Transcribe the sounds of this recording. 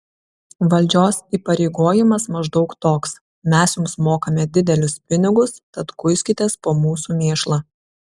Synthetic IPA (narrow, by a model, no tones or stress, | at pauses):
ʋɐlʲˑd͡ʒʲoːsiːpɐɾʲɛɪɡoːjɪmɐsmɐʒd̪ɒʊkt̪oːks | mʲɛsjʊmsmoːkɐmʲɛd̪ʲɪd̪ʲɛlʲʊspʲɪnʲɪɡʊst̪ɐt̪kʊɪsʲkʲɪt̪ʲeːspoːmuːsuːmʲeːʃlˠɑː